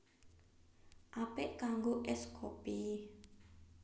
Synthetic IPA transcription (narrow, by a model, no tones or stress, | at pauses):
ʔapɛʔkaŋɡoʔɛskʰopi